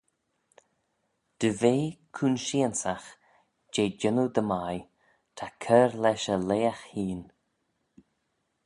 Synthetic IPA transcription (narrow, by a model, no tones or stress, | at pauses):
d̪̥əveːkʰuːnʃiənsax | d͡ʒeːd͡ʒɪnud̪əmaj | t̪ʰakʰɛːɹlɛʃəleːaxhiːn